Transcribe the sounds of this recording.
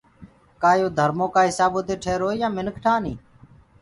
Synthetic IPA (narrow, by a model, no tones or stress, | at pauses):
kaːjoːd̪ʱəɾmoːkaːɦɪsaːboːt̪eːʈʰeːɾoːijãːmɪnəkʰʈʰãːniː